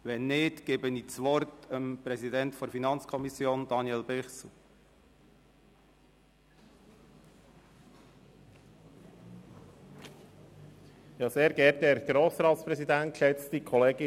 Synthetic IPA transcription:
ʋɛnːɪtɡ̥eːbənit͡sʋɔɾtəmpɾɛzidɛntfɔɾfinɑnt͡skʰɔmisjoːnd̥ɑnjɛlbɪχsl̩ | jɑːseːɾɡɛːɾt̚deːɾɡ̥ɾoːsɾɑːt̪spɾɛsid̪æntʃɛt͡st̪ikʰɔleːɡ̥ɪ

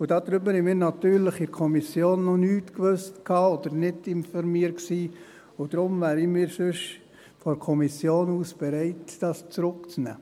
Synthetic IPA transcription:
ʊd̥ɑd̪ɾʏbəhɛmɪːɾnɑtyːɾləχɪɾkʰɔmisjoːnːɔnyːtkʋøstkʰɑːɔd̪̥əɾnɪdɪnfɔɾmiːəɾksiː | ʊd̥̪ɾʊmvæːɾimɪːɾsʏʃ | fɔɾkʰɔmisjoːnuːsb̥ɛɾɛɪtd̥ɑst͡sɾʊkt͡snæ̰ː

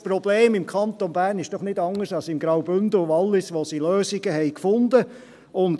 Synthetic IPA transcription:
spɾɔbleːmɪmkʰɑnt̪ɔnbæːɾnɪʃd̥ɔχnɪdɑŋːəsɑlsɪmɡɾɑwbʏndəɑlːɪsʋosiløːsɪɡəhɛɪkfʊnd̪ə | ʊnd

